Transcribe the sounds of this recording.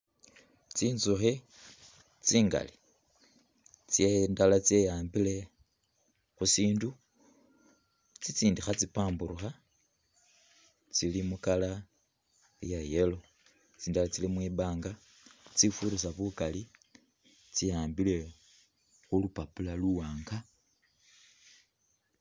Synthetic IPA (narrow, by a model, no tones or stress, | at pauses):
t͡siːnzuxe | t͡siːŋɡa̰li | t͡sjendalat͡se̞jaːmbile̞ | xusiːndu | t͡sit͡siːndixat͡sipaːmbuɾuxa | t͡silimukala | jajelo̞ | t͡siːndalat͡silimwiːbaːŋɡa | t͡sifuɾus̬aβukali | t͡sijaːmbile̞ | xulupapulaluwaːŋɡa